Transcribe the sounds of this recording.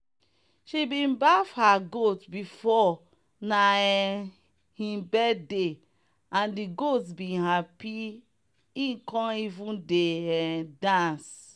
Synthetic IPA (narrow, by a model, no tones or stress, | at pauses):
ʃibĩnbafhaɡotbifɔ | naɛ | hĩbɛdde | ãndiɡotbĩnhapi | ĩkɔ̃nivũndeɛdãns